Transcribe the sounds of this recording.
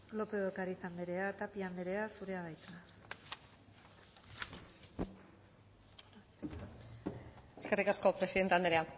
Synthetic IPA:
lo̞pe̞kaɾisand̪eɾe̞at̪apiand̪eɾe̞asuɾe̞aβajt̪a | eske̞rikasko̞pɾesiðe̞nt̪eand̪eɾea

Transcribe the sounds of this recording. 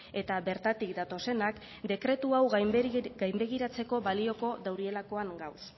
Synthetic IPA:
e̞t̪aβe̞ɾt̪at̪ikd̪at̪o̞se̞nak | d̪e̞kɾe̞t̪uawɣɡajmbe̞ɣ̞iɾat͡se̞ko̞βalio̞ko̞ðawɾie̞lako̞aŋɡaws

